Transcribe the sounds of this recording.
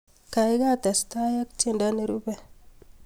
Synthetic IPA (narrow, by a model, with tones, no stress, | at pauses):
ka˨jɡa˦t̪e˨st̪a˦ja˦k̚t͡ʃi˦nda˦ni˦ɾu˦be˦